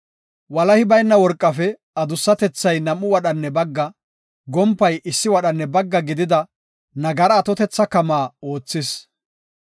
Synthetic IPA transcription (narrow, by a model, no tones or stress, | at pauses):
wɐlɐhɪbɐjnːɐwɔɾkʼːɐfɛ | ɐd̪ʊsːɐt̪ɛt͡sːɐjnɐmːʊwɐɗɐnːɛbɐɡːɐ | ɡɔmpːɐjʔɪsːɪwɐɗɐnːɛbɐɡːɐɡɪd̪ɪd̪ɐ | nɐɡɐɾɐːt̪ɔt̪ɛt͡sːɐkɐmaːo̞ːt͡sːɪs